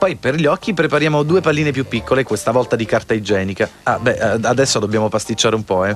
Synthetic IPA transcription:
pɔjperʎɔkːipɾepaɾjaːmod̪uːepalːiːnep̬jupːikːolekwest̪avɔlt̪ad̪ikart̪aid͡ʒɛːnikaabɛʔad̪ɛsːod̪obːjaːmopast̪it͡ʃːaːɾeumpɔɛ

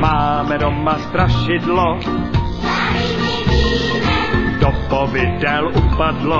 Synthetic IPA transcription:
maːmɛdomast̪ɾaʃɪdlo | dopovɪdɛlupadlo

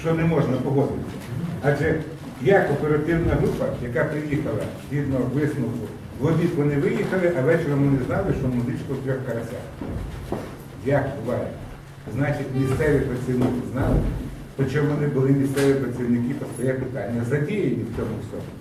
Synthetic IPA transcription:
ʃt͡ʃɔnɛmɔʒnɐpɔɦɔd̪ɪt̪ʲːɐɑʒɛ | jakɔpeɾɐt̪ɪwnɐɦɾupɐjɐkɑpɾɪjixɐlˠɐ | d̪ʲid̪nɔɔʋɪsnʊwkʊ | zlˠɔʋʲitʋɔnɪʋɪjixɐlˠɪʔɐʋɛt͡ʃeɾɐmɔnɪznɑlˠɪʃt͡ʃɔmʊzɪt͡ʃkɔwt̪ɾʲɔxkɐɾɐsʲa̰x | jakbʊʋɑjɪ | znɑt͡ʃɪtʲmʲist̪sɛʋʲipɾɐt͡sʲsʲiwnɪkɪznɑlˠɪpɾɪt͡ʃɔmʋɔnɪbʊlˠɪmʲist̪sɛʋʲipɾɐt͡sʲiwnɪkɪpɐst̪ɐjɛpɪt̪ɑnʲːɐzɐdʲijenʲiwt͡sʲɔmʊsʲɔ̰mɔ

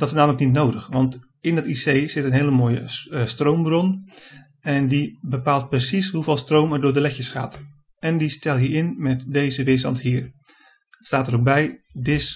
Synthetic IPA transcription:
d̥ɑtɪsnaːmələknitnowdəχʋɑnt | ɪndɑtisejz̥ɪtənɦeːləmoːjə̰strowmbrɔn | ɛndibəpaːlˠt̚prəsisɦuveːlˠstrowmɛɹdʊːɹdəlɛcəsχa̰ːt | ɛndistɛlˠɦiːɹɪnmɛtdejzəʋɪstɑntɦiːr | staːtərok̚bɛjdɪs

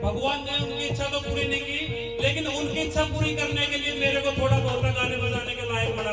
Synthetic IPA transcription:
bʱɐɡʋaːnnẽʊnkiɪtːʃʰat̪opuːɾinɐiki | leːkɪnʊnkiɪtːʃʰapuːɾikɐɾnekeliemeːɾekot̪ʰoːʈabʱɐɦʈaɡaːnebɐlaːnekebaːjeɐɽa

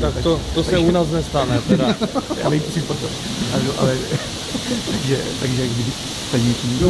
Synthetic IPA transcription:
t̪akt̪ot̪osɛunaːs̬nɛst̪anɛt̪ɛɾaja̰ːnɛit̪sipɾot̪o | adoʔa̰lɛ | t̪aɡʒɛt̪aɡʒɛkbɪbɪt | t̪ajɲɛt͡ʃi

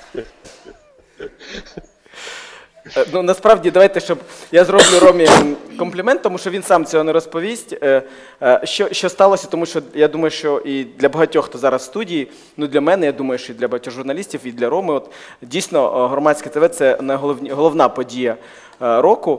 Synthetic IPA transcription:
nunɐspɾɑʋdʲid̪ɐʋɑjt̪ɛʃt͡ʃɔbjazɾɔblʲʊɾɔmʲikɔmplʲɪmɛnt̪t̪ːɔmuʃt͡ʃɔʋʲinsɑmt͡sʲɔɦɔneɾɔspɔʋʲisʲtʲ | ʃt͡ʃɔʃt͡ʃɔst̪ɑlˠɔsʲɐ̥t̪ɔmuʃt͡ʃɔjad̪umɐjʊʃt͡ʃɔʔid̪lʲɐbɐɦɐtʲɔxt̪ɔzɑɾɐsːt̪udʲiji | nud̪lʲɐmɛnɛjad̪umɐjʊʃt͡ʃɔidlʲɐbɐɦɐtʲɔɣʒʊrnɐlʲisʲtʲiwid̪lʲɐɾɔmɪɔt̪ | dʲijsʲnɔɦɾɔmɑsʲkɪt̪eʋɛt̪sɛnɐɦɔlˠɔʋnʲiɦɔlˠɔʋnɑpɔdʲijɐ | ɾɔkʊ

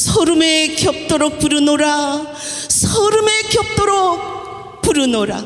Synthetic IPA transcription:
sʰʌɾumekjʌp̚t͈oɾok̚puɾɯnoɾa | sʰʌɾumekjʌp̚t͈oɾok̚ | puɾɯnoɾa̰

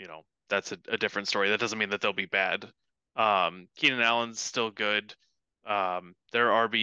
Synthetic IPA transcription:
jɨño̰ʊ | ðætsɨɨdɪfɹɨ̃ntstɔɹiðɨt̚d̥ʌzə̃n̩mĩnðɨt̪̚ðeɪlˠbibæ̰d̥ | ʌ̃mkʰiɾɨ̃nælˠə̃nz̥stɪlˠɡʊd̥ | ʔʌ̃mðə˞ə˞bi

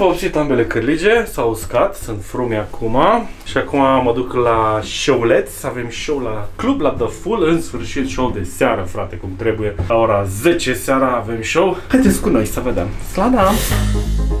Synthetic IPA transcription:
vəobsit̪ambe̞le̞kɨrlid͡ʒe̞sauskat̪sunt̪fɾumeakʰumaʃiakumaməd̪uklaʃoule̞t̪sʲave̞mʃo̞wlaklublad̪əfulɨnsfɨrʃit̪ʃowd̪e̞seaɾəfɾat̪e̞kumt̪ɾe̞buje̞lao̞ɾaze̞t͡ʃe̞seaɾaːve̞mʃo̞whajd̪et̪sʲkuno̞jsəvəd̪a̰mslad̪a

